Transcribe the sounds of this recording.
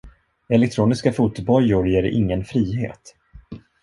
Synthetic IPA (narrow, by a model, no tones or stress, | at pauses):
ɛlɛk̚t̪ʰɾuːnɪskafuːt̪bɔɾjʊɾjeːɾʔɪ̰ŋːənfɾiːɦḛːt̪